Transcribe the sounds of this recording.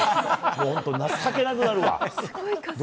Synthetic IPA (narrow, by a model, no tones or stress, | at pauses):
moõnt̪onakːakenak̬ɯ̟naɾɯ̟β̰a̰ | d̪